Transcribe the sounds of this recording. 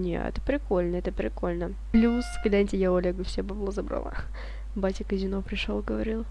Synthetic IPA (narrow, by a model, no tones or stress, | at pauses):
nʲḛɛ̰t̪pɾʲɪko̞lʲnəɛt̪əpɾʲɪko̞lʲnə | plʲuskʲɪlʲanʲtʲɪjaʊɐlʲeɡʊfsʲepɐblˠozɐbɾa̰lˠa̰ | batʲɪkɨzʲɪnopɾʲɪʂolˠɡəvɐɾʲilˠ